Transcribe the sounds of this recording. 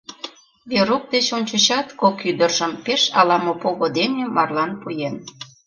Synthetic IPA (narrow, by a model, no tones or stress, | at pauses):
βeɾok̚d̪et͡ɕonʲt͡ɕot͡ɕɑt̪kokyd̪ərʒəmpeʃɑlɑmopoɣod̪enemɑrlɑnpujen